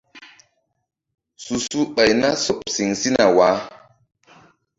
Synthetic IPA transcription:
su˨su˦ɓa˨jna˦so˨p̚si˨ŋsi˦na˨waː˨˦

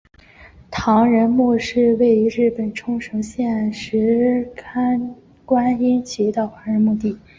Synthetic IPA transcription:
t̪ʰɑ˧˥ŋɻə˧˥nmu˥˧ʂɻ̩˥˧we˥˩ɪy˧˥ɻ̩˥˩pə˨˩nʈ͡ʂʰʊ˥ŋʂɤ˧˥ŋɕjɛ˥˩nʂɻ̩˧˥kʰa˥n | kwa˥ni˥nt͡ɕʰi˧˥t̪ɑ˥˩ʊt̪ʰɑ˧˥ŋɻə˧˥nmu˥˧t̪i˥˩

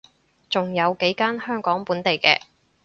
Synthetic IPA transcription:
t͡sʊ˨ŋjɐ˨˧wke˨˥jkaː˥nhœː˥ŋkɔː˨˥ŋpuː˨˥nt̪e˨jkɛ̰ː˧

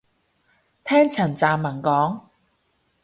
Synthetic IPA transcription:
t̪ʰɛː˥ŋt͡sʰɐ˨˩nt͡saː˨mːɐ˨˩nkɔː˨˥ŋ

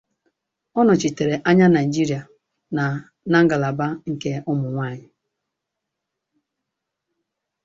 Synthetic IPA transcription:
ɔ˦nʊ˨t͡ʃi˨te˨ɾe˨ʔa˦ɲa˦na˨i˨d͡ʒi˦ɾi˨a˨ | na˨ | na˦ŋ̩˦ɡa˨la˨ba˦ŋ̩˨ke˦ʊ˦mʊ˨ŋʷa˦˨ɲɪ˦

